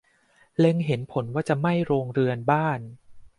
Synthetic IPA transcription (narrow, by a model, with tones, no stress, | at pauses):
le˧ŋɦe˩˦npʰo˩˦nwaː˥˩t͡ɕa˨˩ʔma˥˩jɾoː˧ŋɾɯ˧ənbaː˥˩n